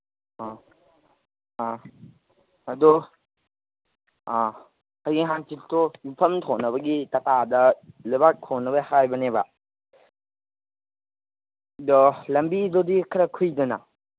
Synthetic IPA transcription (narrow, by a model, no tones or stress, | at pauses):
ɐdu | kajɡiŋɦantiltʰomipʰɐmtʰonɐbɐɡitɐtadɐlujbak̚tʰonɐbɐhajbɐnebɐ | dɔlɐmbidodikʰɐɾɐkʰujdɐnɐ̰